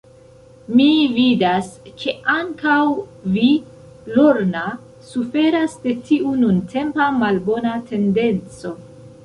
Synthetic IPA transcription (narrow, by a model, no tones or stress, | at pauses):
mividaskʰe̞ʔaŋkawvi | loɾna | sufe̞ɾasde̞tʰiʔununtʰe̞mpamalbo̞natʰe̞nde̞nt͡so̞